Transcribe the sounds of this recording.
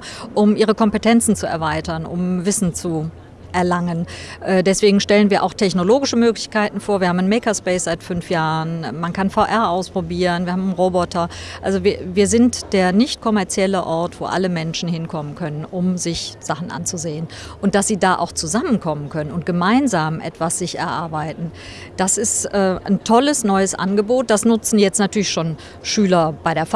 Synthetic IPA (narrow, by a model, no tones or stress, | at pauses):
ʔʊmʔiːʁ̞əkʰɔmpətʰɛnt͡sn̩t͡suɛ̰ɐvaɪtɐnʔʊ̰mvɪsn̩t͡su | ʔɛɐlaŋənʔɛːdɛsv̥eːɡŋ̩ʃtɛlənviːɐʔa̰ʊxtʰɛçnoloːɡɪʃəmøːklɪçkaɪtn̩foːɐviːɐhamnːnmɛːkɐspɛɪsz̥aɪtfʏnfjaːʁənmankʰanfaʊʔɛɐʔaʊspʁ̥obiːʁənviːɐhaːmnʁobɔtʰɐʔalzoviviːɐzɪntd̥eːɐnɪçt̚kʰɔmɛɐt͡sjɛləʔɔɐtv̥o̰ːʔa̰ləmɛnʃn̩hɪnkʰɔmənkʰœnənʔʊmzɪçz̥aχn̩ʔa̰nt͡suzeːən | ʔʊnt̚d̥asz̥iːdaːʔa̰ʊxt͡suzamənkʰɔmənkʰœnənʊnt̚ɡ̥əmaɪnzaːmʔɛ̰tv̥asz̥ɪçɛ̰ɐʔaɐbaɪtn̩ | d̥asɪstʔɛːntʰɔləsnɔʏəsʔa̰nɡəboːt̚d̥asnʊt͡sn̩jɛt͡stnatʰyːɐlɪçʃoːn | ʃyːlɐb̥aɪɾeːɐf